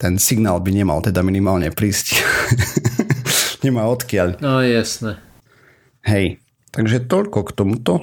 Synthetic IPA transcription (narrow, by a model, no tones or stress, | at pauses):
t̪ɛnsiɡnaːlbiɲɛma̰lt̪ɛd̪aminimaːlɲɛpɾiːsc | ɲɛmaːɔt̪kɪaʎaːjasnɛ | ɦɛj | t̪aɡʒɛt̪ɔʎkɔkt̪ɔmut̪ɔ